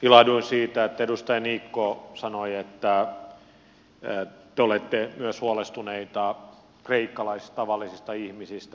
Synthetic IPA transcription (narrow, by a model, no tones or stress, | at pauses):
ilɑduinsiːt̪æet̪ːæedust̪ɑjɑniːkːosɑnoiet̪ːæ | t̪eolet̪ːemyøshuɑlest̪uneit̪ɑ | kreikːɑlɑisi̥st̪ɑʋɑlːisist̪ɑihmisist̪æ